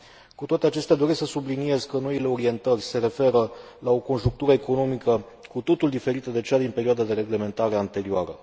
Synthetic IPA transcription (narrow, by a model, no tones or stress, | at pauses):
kut̪owat̪eat͡ʃe̞st̪ead̪o̞ɾesksəsublinie̞zkəno̞ile̞o̞ɾie̞nt̪ərʲse̞ɾe̞fe̞ɾə | lao̞ko̞nʒuŋk̚t̪uɾəeko̞no̞mikə | kut̪o̞t̪uld̪ife̞ɾit̪əd̪e̞t͡ʃead̪inpe̞ɾioad̪ad̪e̞ɾe̞ɡle̞me̞nt̪aɾe̞ant̪e̞ɾioaɾə̰